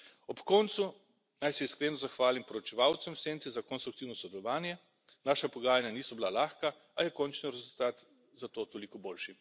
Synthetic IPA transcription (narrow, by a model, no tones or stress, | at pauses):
ɔpkɔnt̪su | najsɛiskɾeːnɔzaxʋaːlimpɔɾɔt͡ʃɛʋawt̪sɛmwseːnt̪izakɔnst̪ɾukt̪iwnɔsɔd̪ɛlɔʋaːnjɛ | naːʃapɔɡaːjanjaniːsɔbilalaːxka | ajɛkɔːnt͡ʃnɔɾɛzult̪aːt̪ | zat̪oːt̪olikɔboːlʃi